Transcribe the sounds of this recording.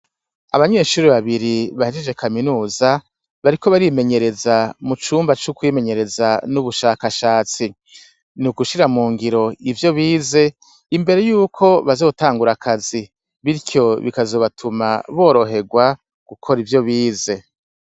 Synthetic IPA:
a̰βaɲe̞ːʃuːɾiβaβiɾiβahed͡ʒed͡ʒe̞kʰaminuːza | βaɾiko̞βaɾime̞ɲe̞ɾe̞zamut͡ʃuːmbat͡ʃukwiːme̞ɲe̞ɾe̞zanuβuʃaːkaʃaːt͡si | nuɡuʃiɾamuːŋɡiɾo̞ivjo̞βiːze̞ | imbe̞ɾe̞juːkʰo̞βazoːtaːŋɡuɾakʰazi | βiɾcʰo̞βikazo̞ːβatʰuma̰βo̞ːɾo̞ɦe̞ɡwa | ɡ̥ukʰoɾivjo̞βiːze̞

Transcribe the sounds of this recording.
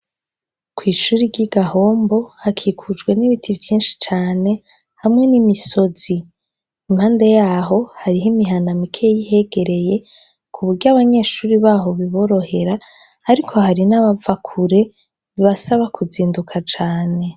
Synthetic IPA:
kwiːʃuɾiɾɟiɡaho̞ːmbo̞hakʰikʰud͡ʒɡwe̞niβitʰivjiːnʃi̥t͡ʃaːne̞ | hamŋe̞nimiso̞z̥i | imhaːnde̞jaːɦo̞haɾiɦimiɦanamikʰejihe̞ɡe̞ɾe̞je̞ | kʰuβuɾɟaβaɲe̞ːʃuːɾiβaːɦo̞βiβo̞ɾo̞he̞ɾaː | ɾikʰo̞haɾinaβavakʰuɾe̞ | iβasaβakʰuziːndukʰat͡ʃaːne̞

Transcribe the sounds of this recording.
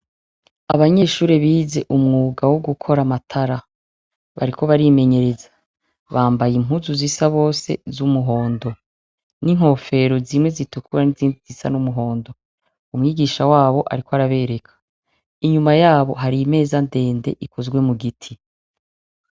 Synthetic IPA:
aβaɲe̞ːʃuːɾeβiːze̞ʔumŋuːɡawoɡukʰo̞ɾamatʰaɾa | βa̰ɾikʰo̞βaɾime̞ɲe̞ɾeza | βaːmbajim̥uzuzisaβo̞ːse̞̰zumuɦo̞ːndo̞ | niŋ̥ho̞ːfe̞ɾo̞zimŋwe̞zitukʰuɾaniziːndizisa̰numuɦo̞ːndo̞ | umŋiːɡiːʃawaːβo̞ʔa̰ɾikoaɾaβe̞ɾekʰḁ | iɲumajaːβo̞̰ɦaɾime̞ːzande̞ːnde̞̰ʔikozɡwe̞muɡitʰi

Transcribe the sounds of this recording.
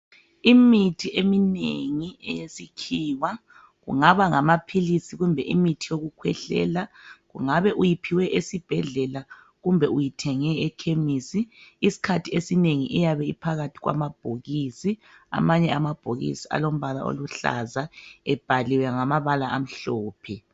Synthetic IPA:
imitʰiʔeminḛŋiɛ̰jesikʰiwa | ɣṵŋaβaŋamapʰilisiɣumbʱɛʔimitʰijoɣukʰwɛ̰ɬɛ̰laɣṵŋaβɛʔujipʰiwɛʔesib̥ʱɛɮɛla | ɣumbʱɛujitʰɛŋɛɛkʰemisiːsi̥kʰatʰiesineŋiʔɛjaβɛḭpʰaɣatʰiɣwa̰mab̥ʱoɣiːsi | a̰maɲɛamab̥ʱoɣḭsia̰lom̩βala̰o̰luɬa̰zaɛb̥ʱaliwɛŋamaβalaʔam̩ɬɔːpʰɛ

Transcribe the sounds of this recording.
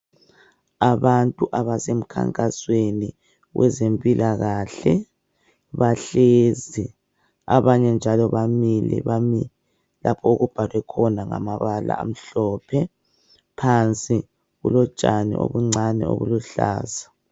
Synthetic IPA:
aβantʼuʔaβasem̩kʰa̰ŋkʼasweni | wɛ̰zempʼilʔaɣaːɬɛ | βaɬezi | aβaɲɛnd͡ʒʱalɔβamilɛ̰βami | lʔapʰɔuɣub̥ʱalwɛkʰɔnaŋa̰maβala̰a̰m̩ɬɔpʰɛ | pʰant͡sʼi | ɣulɔ̥ʒ̥ʼanḭʔo̰βuŋ͡ǀanɛ̰o̰βuluɬa̰ːza

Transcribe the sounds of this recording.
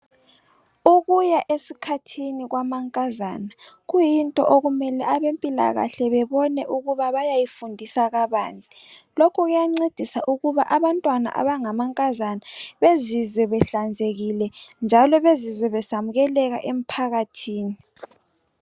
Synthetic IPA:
uɣujaʔesikʰatʰiniɣwamaŋkʼazaːnaɣujintʼɔ̰ʔoɣumɛlɛʔaβempʼila̰ɣa̰ɬɛβɛβɔnɛʔuɣuβaβajajifundʱisaɣaβa̰ːnd͡zʱilokʰuɣujaŋ͡ǀed̥ʱisaʔuɣuβaʔaβantʼwana̰ʔa̰βaŋamaŋkʼazanaβezizwɛβɛɬand͡zʱeɣilɛnd͡ʒʱalɔβezizwɛβɛsamuɣɛlɛɣa̰ʔem̩pʰaɣatʰiːni

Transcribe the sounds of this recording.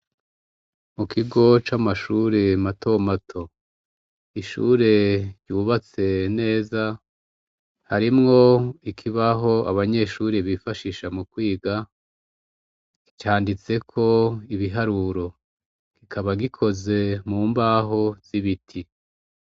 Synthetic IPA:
mukʰiɡo̞t͡ʃamaʃuːɾemato̞matʰo̞ | iʃṵːɾe̞ɾɟuːβat͡se̞ne̞ːza | haɾimŋo̞ikʰiβaɦo̞a̰βaɲe̞ʃuːɾeβifaʃiːʃamukwiːɡa | ki̥t͡ʃaːndit͡se̞kʰo̞iβiɦaɾuɾo̞ | ɡ̥ikʰaβaɡikʰo̞ze̞muːmbaːɦo̞z̥iβitʰi

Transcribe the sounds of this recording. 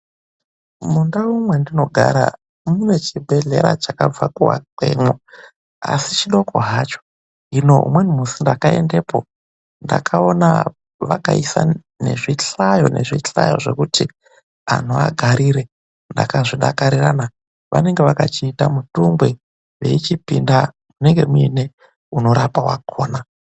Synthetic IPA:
mundaumwendino̞ɡʱaɾa | mune̞t͡ʃibʱe̞ɮe̞ɾat͡ʃakab͡vakuwa̰ǃemo | a̰sit͡ʃiɗo̞koɦat͡ʃo̥ | ɦino̞ɦṵmwenimusindakae̞nde̞ːpo̞ | nda̰kʰao̞na | ʋakaisa̰ | ne̞ʐiɬajo̞ne̞ʐiɬajo̞̰ʐe̞̰kuti | a̰n̤ua̰ɡʱaɾiɾe | nda̰kaʐiɗakaɾirana | ʋʔa̰ne̞ŋɡeʋakat͡ʃiːtamutumbwe | ʋe̞̰it͡ʃipinda | muneŋɡe̞muine̞ | uno̞ɾapawakʰoːna

